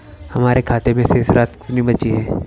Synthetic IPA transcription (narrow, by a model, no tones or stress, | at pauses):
hɐmaːɾʔekʰaːt̪emẽseːsɾaːt̪kɪ̥t̪nibɐt͡ʃiɦɛ̃ː